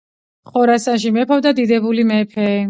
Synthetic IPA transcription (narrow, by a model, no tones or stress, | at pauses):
χɔɾasanʃ̬imɛpʰɔvd̪ad̪id̪ɛbulimɛpʰɛ